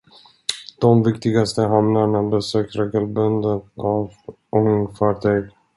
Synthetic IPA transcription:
d̪̥ɔmvɪkt̪ɪɡast̪əɦamnaɳabɛsøːk̚t̪ɾeːɡəlbɵnd̪ənav | ɔŋɪŋfɑːʈʰyːɡ

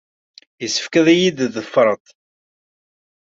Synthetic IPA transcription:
jəsə̥fkæðæjid̪ðəfːɾˤət̪ˤ

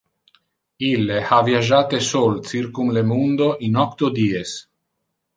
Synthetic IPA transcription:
ilːehavjiaʒaːt̪esolt͡s̪irkumlemund̪oʔinɔkt̪od̪iːes

